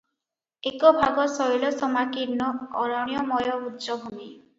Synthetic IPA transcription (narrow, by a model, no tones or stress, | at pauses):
ekɔbʱaɡɔsɔjlɔsɔmakiɾnːɔːɾɔɽ̃ijɔmɔjɔud͡ʒɔbʱumi